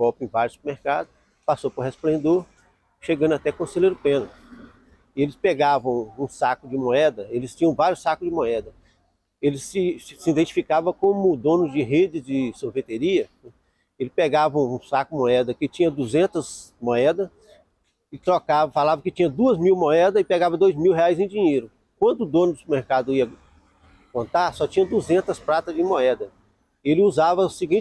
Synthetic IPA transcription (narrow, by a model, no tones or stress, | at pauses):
ɡɔwpɪẽj̃vaɾʊsu̥peɾmeɾkad̪ʊ | pasopɾʊɦesplẽnd̪oɾ | ʃeɡɐ̃nd̪at̪ɛkõselejɾʊpẽnɐ | ɪelɪspeɡavɐ̃w̃ũsakʊd͡ʒɪmoɛd̪ɐelɪst͡ʃĩɲɐ̃vaɾjʊsakʊzd͡ʒɪmoɛd̪ɐ | elɪsɪsɪĩd̪ẽnt͡ʃi̥fikavɐ̃kõmʊd̪õnʊzd͡ʒɪɦed͡ʒɪd͡ʒɪsoɾvet̪eɾiɐɛ | elɪpeɡavɐũsakʊmoɛd̪ɐkɪt͡ʃĩɲɐd̪uzẽnt̪ɐs | moɛd̪ɐ | ɪt̪ɾɔkavfalavɐkɪt͡ʃĩɲɐd̪uɐzmiwmoɛd̪ɐɪpeɡavɐd̪ojzmiwɦeajzẽj̃d͡ʒĩɲejɾʊ | kwɐ̃nd̪ʊːd̪õnʊsmeɾkad̪ʊiɐ | kõnt̪aɾsɔt͡ʃĩɲɐd̪uzẽnt̪ɐspɾat̪ɐd͡ʒɪmoɛd̪ɐ | elɪuzavɐsɪɡĩ